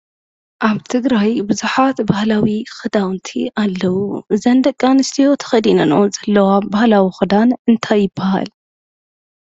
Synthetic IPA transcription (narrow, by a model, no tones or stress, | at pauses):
ʔaβt̪ʰɨɡɾajbɨzuħat̪bahlawixɨd̪awnt̪ʰḭʔalːɐwuzɐnd̪ɐkʼːanɨst̪ʰijo̞t̪ʰɐ̥xɐd̪inɐnozɐlːɐwabahlawixɨd̪anɨnt̪ʰajːɪbːaha̰l